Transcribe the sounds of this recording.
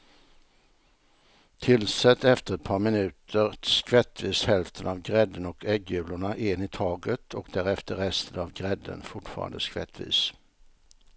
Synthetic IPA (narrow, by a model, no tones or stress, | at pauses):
t̪ʰɪlsɛt̪ːɛft̪əɾɛt̪̚pʰɑːɾmɪnʉ̟ːt̪ʰəɾskvɛt̪ːviːshɛlft̪ʰənavɡɾɛd̪ːənɔkɛɡjʉ̟ːlʊɳaʔɪnɪt̪ʰɑːɡət̪ʰɔkd̪æɾɛft̪əɾɛst̪ʰənavɡɾɛd̪ːə̰nfʊʈfɑ̰ːɾa̰nd̪əskvɛ̰t̪ʰːvḭːs